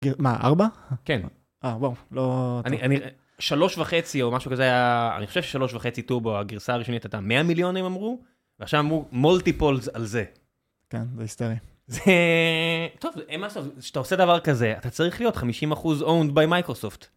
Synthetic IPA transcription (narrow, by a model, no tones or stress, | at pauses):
ɡimaʔa̰ʁbaken | awawloaniʔani | ʃalo̞ʃvaχe̞t͡sio̞maʃukazeajaa̰niχoʃevʃeʃalo̞ʃvaχe̞t͡situboaɡiʁsaːʁiʃo̞nit̪at̪ameamiljo̞nimamʁu | veaχʃavamʁumultipolzalze̞ | kenzeisteʁi | ze | t̪o̞vemasofʃat̪aose̞davaʁkaze̞at̪at͡saʁiχlijo̞t̪χamiʃimaχuzownd̪bajmajkʁoso̞ft̪